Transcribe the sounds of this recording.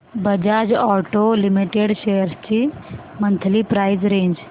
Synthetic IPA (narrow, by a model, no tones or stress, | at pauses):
bəd͡ʑad͡ʑɔʈolimiʈeɽɕejəɾst͡ɕiː | mənt̪ʰlipɾajzɾẽɲd͡ʑ